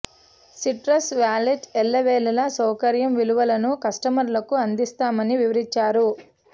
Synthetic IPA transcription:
siʈɾɐsʋaːliʈɛlːɐʋɛːlɐlɐsɐwkɐɾjɐmʋiluʋɐlɐnukɐsʈɐmɐɾlɐkuɐnd̪ist̪aːmɐniʋiʋɐɾiɲt͡ʃaːɾu

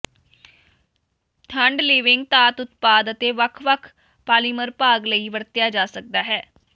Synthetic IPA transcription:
ʈʰəɳɖliːʋɪŋɡ̚t̪aːt̪ʊt̪paːd̪ət̪eːʋəkʰʋəkʰ | paːliːməɾpaːɡləiːʋəɾt̪jaːd͡ʒaːsək̚d̪aːɦɛː

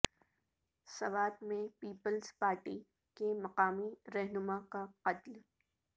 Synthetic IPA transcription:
sɐʋaːd̪mẽpiːpəlzpaːɾʈi | kemɐqaːmiɾɛɦnʊmakaqɐt̪l

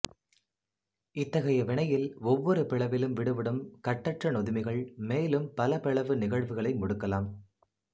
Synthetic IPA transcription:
ɪt̪ːɐɣɐjɐʋɪɳɐjɪlɔʋːɔɾɯpɪɭɐʋɪlɯmʋɪɽɯʋɪɽɯmkɐʈːɐʈrɐnɔðɪmɪɣɐɭmeːlɯmpɐlɐpɪɻɐʋɯnɪɣɐɻʋɯɣɐɭɐɪmɔɽɯkːɐlaːm

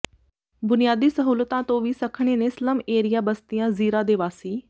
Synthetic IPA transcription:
bʊnɪjaːd̪iːsəɦuːlət̪ãːt̪õːʋiːsəkʰɳ̃eːneːsləmeːɾɪjaːbəst̪ɪjãːziːɾãːd̪eːʋaːsiː

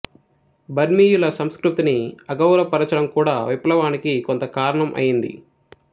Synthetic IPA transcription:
bʱɐɾmiːjulɐsɐmskɾut̪iniɐɡɐwɾɐpɐɾɐt͡ʃɐɾɐmkuːɽaːʋiplɐʋaːnikikont̪ɐkaːɾɐɳɐmʔɐ̰jind̪ḭ

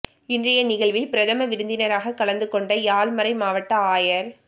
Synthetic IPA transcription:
ɪndrɐjɐnɪɣɐɭʋɪlpɪɾɐðɐmɐʋɪɾɯnd̪ɪnɐɾaːɣɐkːɐɭɐnd̪ɯkːɔɳɖɐjaːɭmɐɾɐɪmaːʋɐʈːɐaːjɐɾ

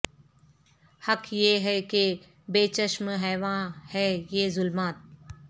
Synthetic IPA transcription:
hɐkʰjeːɦɛke | beːt͡ʃəʃmɦɛːʋãːhɛːjeːzʊlmaːt̪̚

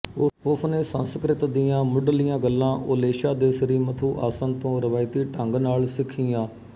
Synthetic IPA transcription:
ʊsneːsənskɾɪt̪d̪ɪjãːmʊɖlɪjãːɡəlːãːʔoːleːʃaːd̪eːsəɾiːmət̪ʰuːʔaːsənt̪õːɾəʋaːɪt̪iːʈəŋɡnaːlsɪkʰːɪjãː

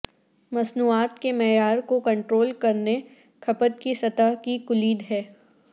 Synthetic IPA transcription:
mɐsnuːaːt̪kemɛːjaːɾkokɐ̃ɳʈɾoːlkɐɾne | kʰɐpət̪̚kisɐt̪aɦkikʊliːd̪ɦɛː

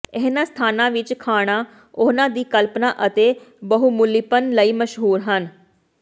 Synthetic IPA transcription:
ɪɦnãːst̪ʰaːnãːʋɪt͡ʃkʰaːɽ̃aː | ʊːnãːd̪iːkəlpnaːʔət̪eːbəɦuːmʊlɪpənləiːməʃɦuːɾɦən

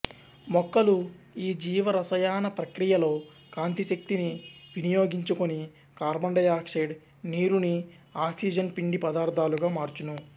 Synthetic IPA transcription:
mɔkːɐluiːd͡ʒiːʋɐɾɐsɐjaːnɐpɾɐkɾijɐlo̞ː | kaːnt̪iʃɐk̚t̪iniʋinijo̞ːɡiɲt͡ʃukoni | kaːɾbɐɳɖɐjaːkʂeːɖ | niːɾuni | aːkʂid͡ʒɐnpiɳɖipɐd̪aːɾd̪ʱaːluɡaːmaːɾt͡ʃunu

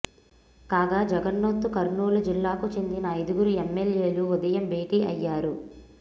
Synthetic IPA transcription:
kaːɡaːd͡ʒɐɡɐnːot̪ːukɐɾɳuːlud͡ʒilːaːkut͡ʃe̞nd̪inɐːjd̪uɡuɾuemːelje̞ːluud̪ɐjɐmbeːʈiːʔɐjːaːɾu

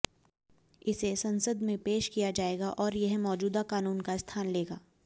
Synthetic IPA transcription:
ɪsesɐ̃nsəd̪mẽpeːʃkijad͡ʒaːeːɡaʔɔːɾjɐɦmɔːd͡ʒuːd̪akaːnuːnkast̪ʰaːnleːɡaː

